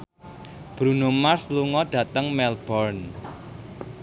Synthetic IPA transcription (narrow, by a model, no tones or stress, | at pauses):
b̥ɾunomarsluŋɔɖ̥ä̤t̪əŋmɛlb̥ɔrn